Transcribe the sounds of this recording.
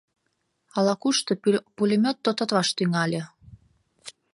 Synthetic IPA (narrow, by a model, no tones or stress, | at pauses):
ɑlɑkuʃt̪ɤpulʲemʲot̪ːot̪ŏt̪βɑʃt̪yŋɑlʲe